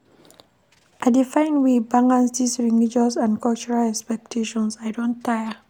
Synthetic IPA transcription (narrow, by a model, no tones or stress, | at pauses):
ʔajdifãj̃nwibãŋãnsdisɹinid͡ʒɔsãnkɔlt͡ʃɔɹalɛkspɛk̚tʰeʃɔ̃nsajdõntːajə